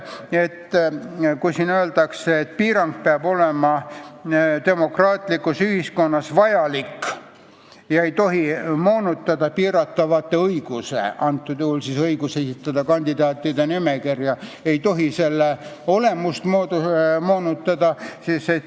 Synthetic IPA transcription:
e̞t̪ː | kujsinøeld̪ɑkseːt̪̚piːɾɑŋk̚peɑbo̞lemɑ | t̪e̞mo̞krɑːt̪ˑlikːˑusyhisko̞nːɑsvɑjɑlikː | jɑe̞jt̪o̞ɦimo̞ːnut̪ːˑɑd̪̥ɑpiːɾɑt̪ːɑvɑt̪ːˑe̞ɤjɡ̥usḛɑnt̪ːˑud̪uhulsisɤiɡusesit̪ːˑɑd̪̥ɑkɑnʲd̪̥id̪ɑːt̪ːˑid̪enimekirjɑe̞jt̪o̞ɦise̞lːeo̞le̞must̪mod̪umoːnut̪ːɑd̪̥ɑsiːset̪

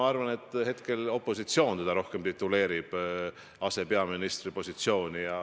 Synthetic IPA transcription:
ɑɑrvɑne̞t̪ːˑhe̞t̪ke̞lo̞pːˑo̞sit̪sio̞ːnsed̪ɑɾo̞hke̞mt̪it̪ːˑule̞ːɾib̥ | ɑse̞pe̞ɑminist̪ripo̞sit̪sio̞ːnʲijɑ

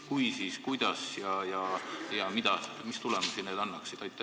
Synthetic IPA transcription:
kujsiːskujd̪̥ɑsjɑjɑjɑmid̪̥ɑmist̪ulɛmusineːd̪ɑnːɑksid̪ɑjt̪ːˑɑ

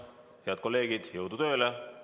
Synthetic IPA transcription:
heɑd̪̚ko̞lːe̞ːɡ̥id̪̥jɤwd̪̥ut̪ø̞ːle

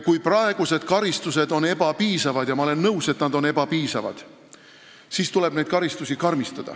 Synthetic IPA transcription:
kujprɑe̞ɡ̥use̞d̪̥̚kɑɾist̪use̞d̪o̞ne̞bɑpiːsɑvɑd̪̥jɑmɑo̞lenːɤwse̞t̪nɑd̪o̞ne̞bɑpiːsɑvɑ̰d̪̥ | siːst̪ule̞b̥nejd̪̥̚kɑɾist̪usikɑrmist̪ɑd̪̥ɑ̰

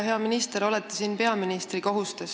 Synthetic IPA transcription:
ɦe̞ɑminist̪eɾo̞let̪ːˑisiːnpe̞ɑminist̪riko̞ɦust̪es

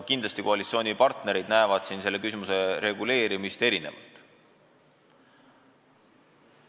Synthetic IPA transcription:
kind̪lɑst̪ikoɑlʲit̪sʲio̞ːnʲipɑrt̪ne̞ɾid̪̥næevɑd̪̥sinse̞lːe̞kys̬imuse̞ɾe̞ɡule̞ːɾimist̪e̞ɾine̞̰vɑ̰lt̪

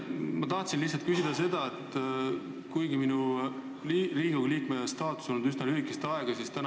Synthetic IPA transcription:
mɑt̪ɑht̪sinlisːɑlt̪̚kysʲid̪̥ɑse̞d̪̥ɑe̞t̪ːˑ | kujɡiminu | riːɡɑɡliːkmest̪ɑːt̪ːˑu̥sonud̪̥ysnɑlyɦikˑest̪ɑeɡ̥ɑsist̪æn

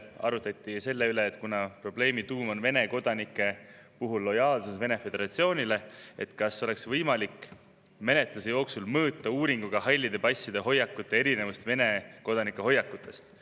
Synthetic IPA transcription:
ɑ̰ɾut̪ːˑɑt̪ʲːˑise̞lːe̞yle̞ːt̪ːˑkunɑpro̞b̥le̞ːmit̪uːmo̞nve̞ne̞ko̞d̪̥ɑnikːˑe̞ | puɦulːo̞jɑːlsusve̞ne̞fe̞d̪e̞ɾɑt̪sio̞ːnʲile̞e̞t̪kɑsːo̞le̞ksvɤjmɑlikːˑ | me̞ne̞t̪lusejo̞ːksulmɤːt̪ːˑɑuːɾiŋɡ̥uɡ̥ɑhɑjlʲːid̪epɑsːid̪eɦo̞jːɑkːˑut̪ˑːe̞eɾine̞vust̪ve̞ne̞ko̞d̪ɑnikːˑeɦo̞jːɑkːˑut̪ːˑe̞st̪

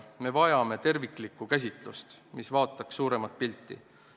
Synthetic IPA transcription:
me̞vɑjɑme̞t̪e̞rviklikːˑukæs̬ʲit̪ˑlust̪misvɑːt̪ːˑɑkssuːɾe̞mɑt̪̚pilt̪ˑːḭ

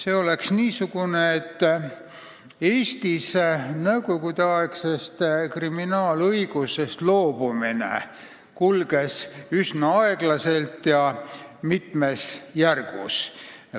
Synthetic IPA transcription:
se̞ːo̞le̞ksniːsuɡ̥uneet̪ː | e̞ːst̪isnɤwɡo̞ɡud̪̥eɑeksest̪kriminɑːlɤjɡ̥use̞st̪lo̞ːb̥uminḛ | kulɡ̥e̞sysnɑɑeɡ̥lɑse̞lt̪jɑmit̪me̞sjærɡ̥ṵs

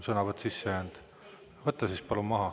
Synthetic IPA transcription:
sɤnɑvɑt̪sisːejæːnd̪̥ | vɤt̪ːˑɑsispɑlumɑɦɑ

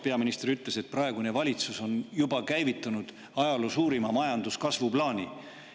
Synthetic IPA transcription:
pe̞ɑminist̪ɾyt̪ːˑle̞se̞t̪̚prɑe̞ɡune̞vɑlʲit̪suso̞njubɑkæjvit̪ːˑɑnud̪̥ | ɑjɑlosuːɾimɑmɑjɑnd̪uskɑsvuplɑːnʲi

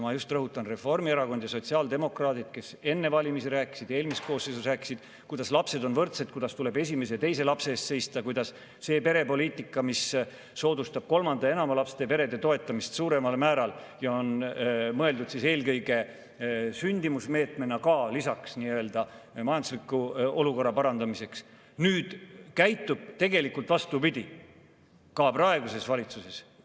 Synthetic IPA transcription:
mɑjust̪rɤɦut̪ːˑɑnre̞fo̞rmieɾɑko̞nd̪̥jɑso̞t̪siɑːld̪e̞mo̞krɑːt̪id̪̥ke̞se̞nːe̞vɑlʲimisiɾæːkːˑi̥sid̪̥e̞ːlmisko̞ːsejsusræːkːˑi̥sid̪̥ | kujd̪̥ɑslɑpse̞d̪o̞nvɤrt̪se̞d̪̥kujd̪̥ɑst̪ule̞be̞sʲime̞s̬et̪e̞js̬e̞lɑpse̞ːst̪se̞jst̪ɑkujd̪̥ɑs | se̞ːpe̞ɾe̞po̞lʲiːt̪ˑikːˑɑmisː | o̞ːd̪ust̪ɑb̥̚ko̞lmɑnd̪ɑe̞nɑmɑlɑpst̪epe̞ɾe̞d̪e̞t̪o̞et̪ːˑɑmist̪suːɾe̞mɑlmæːɾɑl | jɑonmɤe̞ld̪ud̪̥sise̞ːlkɤjɡ̥e̞ | synʲd̪imusme̞ːt̪me̞nɑkɑːlisɑksniːøøːld̪̥ɑ | mɑjɑnd̪uslikːˑuo̞luko̞rːɑpɑɾɑnd̪ɑmise̞ks | nyːd̪̥kæjt̪ːˑub̥̚t̪e̞ɡe̞likːˑult̪vɑst̪upid̪̥ʲi | kɑprɑe̞ɡ̥use̞svɑlʲit̪suse̞s

